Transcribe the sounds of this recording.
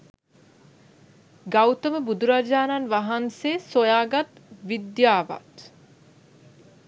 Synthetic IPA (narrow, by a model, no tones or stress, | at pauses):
ɡawt̪əməbud̪uɾad͡ʒaːnanʋaɦanseːsojaːɡat̪ʋid̪jaːʋa̰t̪